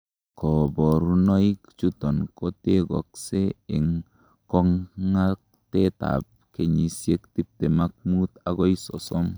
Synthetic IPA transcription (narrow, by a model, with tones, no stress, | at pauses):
kɔ˨bɔ˨ɾu˦nɔ˦i˦kt͡ʃu˦tɔ˨nko˦te˦ɡɔ̰˨kse˦e˨ŋ | kɔ˦ŋŋa˦k̚ | te˦ta̰˨p̚ | ke˨ɲi˨sje˦kti˦p̚te˨ma˦k̚mu˦ta˨ɡɔ˦i˦sɔ̰˨sɔ˦m